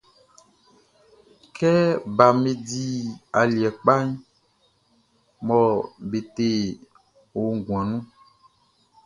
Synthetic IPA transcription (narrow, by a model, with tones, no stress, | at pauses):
kɛ˦ba˨me˨di˦a˨li˨ɛ˨k͡pa˦ɲ | mɔ˨be˨te˦˨ | wo˨ŋ˨ɡũ˨ã˨nũ˦